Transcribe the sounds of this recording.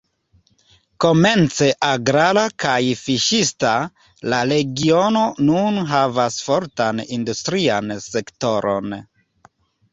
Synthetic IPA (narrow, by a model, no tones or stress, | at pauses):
ko̞me̞nt͡se̞ʔaɡɾalakajfiʃista | laɾe̞ɡio̞no̞nunɦavasfo̞ɾtanindustɾianse̞kto̞ɾo̞̰n